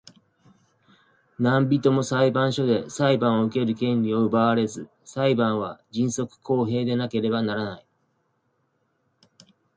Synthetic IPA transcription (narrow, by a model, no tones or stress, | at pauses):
nãmbʲit̪o̞mo̞saibãɰ̃ɕo̞d̪e̞saibãɰ̃o̞ɯ̟ke̞ɾɯ̟kẽ̞nʲio̞ɯ̟baaɾe̞zɨ | saibãɰ̃βad͡ʑĩɰ̃so̞kɯ̟̥kʰo̞ːɦe̞ːd̪e̞nake̞ɾe̞banaɾanai